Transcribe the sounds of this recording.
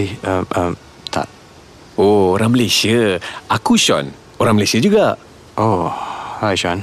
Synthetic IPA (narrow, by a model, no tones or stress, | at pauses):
iəməm | t̪ʰa̰ʔ | ooɾaŋməlasiəakuʃɔ̰n | oɾãŋməlasiəd͡ʒuɡaʔ | ʔohajʃɔn